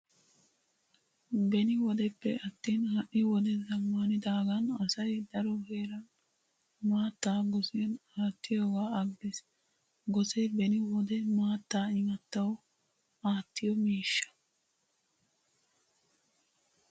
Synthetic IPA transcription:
bɛnɪwɔd̪ɛpːɛ̰ɐt̪ːiːnhɐʔːɪwɔd̪ɛzɐmːaːnɪd̪aːɡɐnɐsɐjd̪ɐɾɔhe̞ːɾɐn | maːt̪ːaːɡɔsɪjɐnaːt̪ːɪjoːɡaːɐɡːes | ɡɔsɛbɛnɪwɔd̪ɛmaːt̪ːaːɪŋɐt̪ːɐw | aːt̪ːɪjɔmiːʃːɐ̥

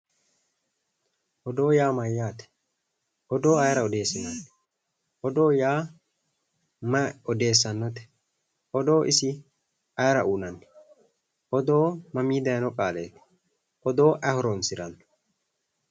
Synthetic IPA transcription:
ʔɔd̪o̞ːjaːmɐjːaːt̪ɛ̥ | ʔɔd̪o̞ːɐjɐɾɐɔd̪e̞ːsɪnɐnːɛ | ʔɔd̪o̞ːjaː | mɐɔd̪e̞ːsːɐnːɔt̪ɛ̥ | ʔɔd̪o̞ːʔɪsɪ | ʔɐjɾɐʔuːnɐnːɛ̥ | ʔɔd̪o̞ːmɐmiːd̪ɐjnɔkʼaːlḛːt̪ɛ̥ | ʔɔd̪o̞ːʔɐhɔɾɔnsɪɾɐnːɔ̥

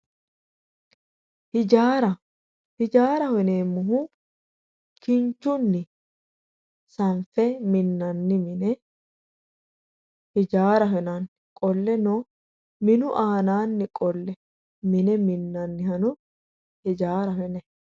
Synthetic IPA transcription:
hɪd͡ʒaːɾɐ | hɪd͡ʒaːɾɐhɛneːmːʊɦʊ | kɪnt͡ʃːʊnːɪ | sɐɱfɛmɪnːɐnːɪmɪnɛ | hɪd͡ʒaːɾɐɦɛnanɪkʼɔlːɛno | mɪnʊʔaːnaːnːɪkʼɔlːɛ | mɪnɛmɪnːɐnːɪhɐnʊ | hɪd͡ʒaːɾɐhɛnɛ

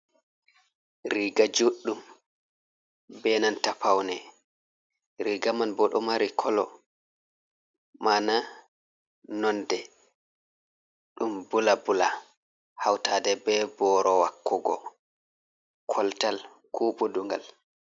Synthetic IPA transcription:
ɾiɡad͡ʒoɗːum | bɛnantapawnɛ | ɾiɡamanbɔɗɔmaɾikʰɔlɔ | mana | nɔndɛ | ɗumbulabula | hawtadɛbɛbɔɾɔwakːɔɡɔ̰ | kʰɔltal | kʰuːɓɔduŋɡa̰l

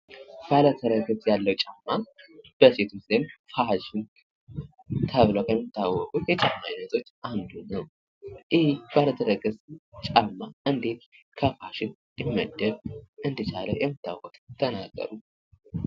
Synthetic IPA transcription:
b̥alət̪ʰəɾəɡəsjalːəwt͡ʃʼamːab̥əset̪ʰuszənfaʃɪn | t̪ʰəβləwkʰəmːit̪ʰːawːɔkʼujɛt͡ʃʼamːajinət̪ʰʼo̞t͡ʃːʔand̪unəw | jɪhb̥alət̪ʰəɾəɡəst͡ʃʼamːaʔɨnd̪e̞t̪̚ | kʰəfaʃɪn | jɪmːə̰d̪ːəβʔɨnd̪ɨt͡ʃʼalə̰wjɛmːɨt̪ʰːa̰wkʼut̪ʼt̪ʰːənaɡːə̰ɾu

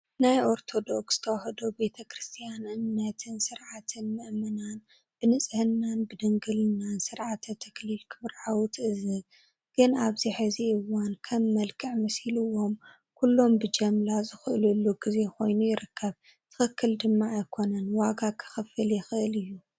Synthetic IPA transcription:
najʔo̞ɾt̪ʰo̞d̪o̞ksɨ̥t̪ʰɐwahɐd̪obe̞t̪ʰɐkʰɾɨst̪ʰijanɨnːɐt̪ʰɨnsɨɾʕat̪ʰɨnmɨʔmɨnan | b̥ɨnɨt͡sʼhɨnːanbɨd̪ɨŋɡɨlɨnːansɨɾʕat̪ʰɐt̪ʰɐklilkʰɨβɾʕawut̪ʰʔɨzɨ | ɡ̥ɨnaβziħɨziɨwankʰɐmːɐlkʰɨʕmɨshilɨwo̞m | kʰulːo̞mbɨd͡ʒɐmlazɨxɨʔɨlulːuɡize̞kʰo̞jnujɪɾɨkʰːɐβ | t̪ʰɨ̥xɨkːɨld̪ɨmːaːjkʰo̞nɐnwaɡakʰɨ̥xɨfɨljɪxɨʔɨlɨjːu

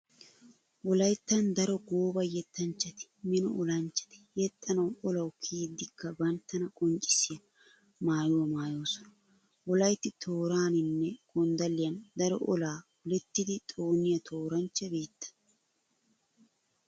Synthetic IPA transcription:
ʔɔlɐjt̪ːɐnd̪ɐɾɔɡoːbɐjɛt̪ːɐnt͡ʃːɐt̪ɪ̥mɪnɔ̰ʔɔlɐnt͡ʃːɐ̥t̪ɪ̥jɛt̪ʼːɐnɐwɔlɐwkʰiːd̪ːɪkːɐbɐnt̪ːɐnɐkʼɔnt͡ʃʼɪ̥sɪjɐ | maːjʊɐmaːjoːsɔnɐ | wɔlɐjt̪ːɪt̪ʰoːɾaːnɪnːɛkɔnd̪ɐlːɪjɐnd̪ɐɾɔ̰ʔɔlaː | ʊlɛt̪ːɪd̪ɪt̪ʼo̞ːnɪjɐt̪ʰo̞ːɾɐnt͡ʃːɐbiːt̪ːɐ̥n

